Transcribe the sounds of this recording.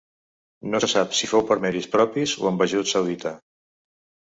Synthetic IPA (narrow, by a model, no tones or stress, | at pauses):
nosəsapsifowpəɾmɛɾispɾɔpizuəmbaʒut̪səwðit̪a